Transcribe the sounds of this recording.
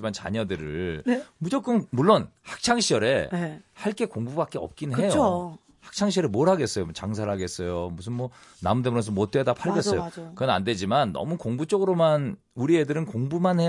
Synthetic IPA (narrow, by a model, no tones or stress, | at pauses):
imant͡ɕa̰ɲʌdɯɾɯɭmud͡ʑok͈ɯmmuɭːonhḁk̚t͡ɕʰaŋɕʰiʌɾe̞haɭk͈e̞koŋbubak͈eʌ̰p̚k͈inɯnɦejoo | hḁk̚t͡ɕʰaŋɕ̬ʰiʌɾemoɾɦaɡe̞s͈ʌjomʌt͡ɕaŋs̬ʰaɾɦaɡe̞s͈ʌjomus̬ʰɯnmwʌna̰mudemɯɾʌs̬ʰʌmot̚t͈wedapʰaɭɡjʌs͈ʌjokɯʌna̰nde̞d͡ʑimanːʌ̰mukoŋbut͡ɕ͈ʌɡɯɾoman | uɾiedɯɾɯnkoŋbumanhe